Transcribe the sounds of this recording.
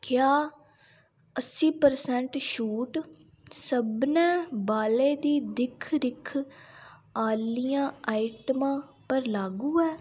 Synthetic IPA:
kjaː | əsiːpəɾsɛ̃ɳʈʃuːʈ | səbnɛ̃ːbaːleːd̪iːd̪ɪkʰɾɪkʰ | aːlijãːaːɪʈəmãːpəɾlaːɡuːɛː

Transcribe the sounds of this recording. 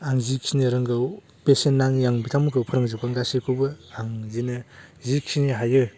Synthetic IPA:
aŋzikʰinɯɾɯŋɡɯw | pesenːaŋjaŋbitʰamɯkʰɯwpʰɯɾaŋzɯpanɡasikʰɯbɯaŋzinɯzikʰiniɦajɯ

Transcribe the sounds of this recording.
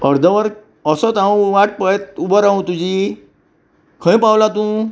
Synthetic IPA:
əɾd̪ʱəʋəɾ | əsət̪ãũʋaʈ̚pəjt̪̚ubəɾãũt̪ud͡ʑi | kʰə̃j̃pawlat̪ũː

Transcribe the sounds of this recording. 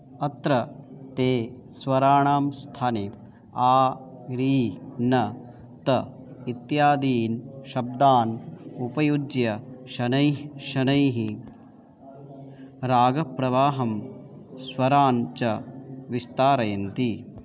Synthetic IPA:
ɐt̪ɾɐt̪eː | sʋɐɾaːɳaːmst̪ʰaːne | aːɾiːnɐ | t̪ɐ | it̪jaːd̪iːnʃɐb̚d̪aːnupɐjud͡ʒjɐʃɐnɐjʃɐnɐjɦi | ɾaːɡɐpɾɐʋaːɦɐmsʋɐɾaːnt͡ʃɐʋist̪aːɾɐjɐnt̪i

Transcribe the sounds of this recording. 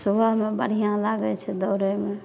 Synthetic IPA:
subaɦmebəɽ̤ijãlaɡɛt͡ʃʰɛd̪ɔːɾɛme

